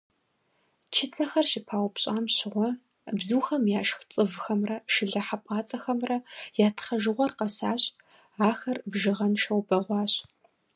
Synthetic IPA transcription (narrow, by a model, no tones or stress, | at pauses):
t͡ʃʰɪt͡sʰɐxɐrʃɪpʰaːwpʰɕʼaːmɕɪʁʷɔ | bzuːxɐmjaːʃxt͡sʼɨvxɐmrɐʃɪɮɐħapʼɑːt͡sʼɐxɐmrɐjaːtʰχɐʒɨʁʷɔrqɐsaːɕʼ | aːxɐrbʒɪʁɐnʃɐwbɐʁʷɑːɕ